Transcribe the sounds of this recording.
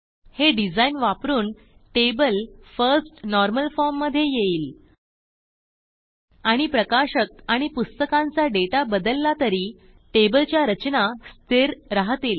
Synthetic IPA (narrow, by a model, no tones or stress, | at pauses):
heɖid͡zainʋapɾuːn | ʈebəlfəɾsʈnɔɾməlfɔɾmːəd̪ʱːjejeiːl | aɽ̃ipɾəkaɕəkaɽ̃ipust̪əkãnt͡saɖeʈabəd̪əlːat̪əɾiː | ʈebəlt͡ɕjaɾət͡ɕnast̪ʰeɾɾaɦt̪iːl